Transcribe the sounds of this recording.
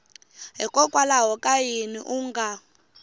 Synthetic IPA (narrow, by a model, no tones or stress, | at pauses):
ɦikʼɔkʼwalaɦɔkʼajinḭʔuŋɡʱa